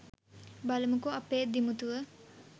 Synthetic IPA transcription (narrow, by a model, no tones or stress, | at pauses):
baləmukoɐpeːd̪imut̪uʋə